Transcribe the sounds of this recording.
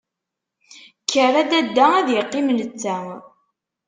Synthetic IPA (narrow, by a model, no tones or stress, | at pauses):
kːəræd̪æd̪ːææðjəqːimlət͡sːæ